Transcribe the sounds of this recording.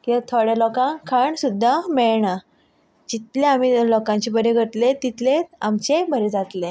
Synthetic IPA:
kit̪ʰoɽelɔkãŋkʰəɳsud̪ʱːameɭɳa | d͡ʑit̪leamilɔkãɲt͡ɕebəɾeɡʱəʈlet̪it̪leamt͡ɕebʱəɾed͡zat̪le

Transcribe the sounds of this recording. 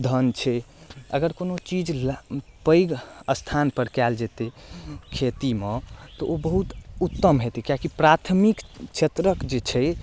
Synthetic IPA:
d̪ʱənt͡ʃʰɛ | əɡəɾkonot͡ʃid͡ʒlpəjɡəst̪ʰanpəɾkɛld͡ʒet̪ekʰet̪imet̪ɔʔobəɦut̪ut̪ːəmɦet̪ekjakipɾat̪ʰmikt͡ʃʰet̪ɾəkd͡ʒet͡ʃʰɛ

